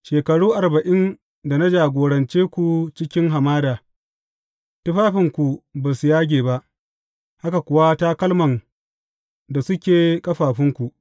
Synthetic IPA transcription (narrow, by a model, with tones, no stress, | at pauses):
ʃeː˨kɐ˨ɽuː˦ʔa˨rbɐ˨ʔɪ˦n | da˨na˦d͡ʒaː˨ɡʷoː˨ɽɐ˨nt͡ʃeː˦kʷu˨t͡ʃɪ˦kʲɪ˦ŋɦa˨maː˦daː˨ | tʊ˦ɸaː˦ɸɪ˨ŋkʷu˨baː˨su˨jaː˦ɡʲeː˨ba˦ʔ | ha˦ka˨kʷʊ˨wa˦ta˦kɐ˦lmɐ˨n | da˨sʊ˦kʲeː˨kʼɐ˦ɸaː˨ɸɪ˦ŋkʷu˨ʔ